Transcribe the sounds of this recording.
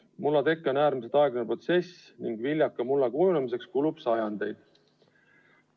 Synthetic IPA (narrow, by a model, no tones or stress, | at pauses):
mulːɑt̪e̞kːeo̞næːɾmiset̪ɑeɡ̥nepro̞t̪se̞s | niŋɡ̥vilʲjɑkːˑɑmulːɑkuːlunemise̞kskulubsɑjɑnd̪e̞jd̪̥